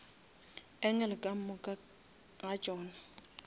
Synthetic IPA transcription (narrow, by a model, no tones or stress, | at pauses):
ɛŋɛlɪkʼam̩mʊkʼ | ŋat͡ʃʼɔːna